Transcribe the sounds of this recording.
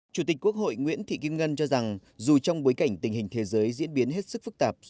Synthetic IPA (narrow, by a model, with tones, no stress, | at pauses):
t͡ɕu˧˩t̪ï˨˩k̟̚ku˦˥ək̚ɦo̰˧˨jŋwḭ˧˥ənt̪ʰḭ˧˨ki˧əmŋə˧nt͡ɕɔ˧za˨˩ŋzu˨˩t͡ɕɔ˧wŋ͡mɓo˨˦jka˧˩jŋ̟t̪ï˨˩ŋ̟hï˨˩ŋ̟t̪ʰe˨˦zəː˨˦jzḭ˧˥ənɓi˨˦ənɦe˦˥t̚sɨ˦˥k̚fɨ˦˥k̚t̪aː˨˩p̚